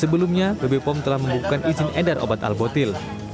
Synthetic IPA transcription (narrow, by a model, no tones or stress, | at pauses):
səbəlumɲabəbepɔmt̪əlahməmbukukanʔizɪnɛdarʔo̰bat̪a̰lbot̪ɪl